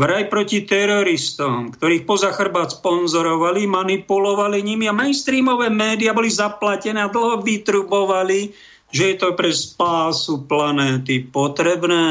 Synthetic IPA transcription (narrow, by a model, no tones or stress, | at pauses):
ʋɾajpɾɔcit̪ɛɾɔɾist̪ɔmkt̪ɔɾiːxpɔzaxr̩baːt̪spɔnzɔɾɔʋalimanipulɔʋaliɲimiamɛnst̪ɾiːmɔʋɛːmɛːd̪iabɔlizaplacɛnɛːad̪l̩ɦɔʋit̪ɾubɔʋali | ʒɛjɛt̪ɔpɾɛspaːsuplanɛːt̪ipɔt̪ɾɛbnɛː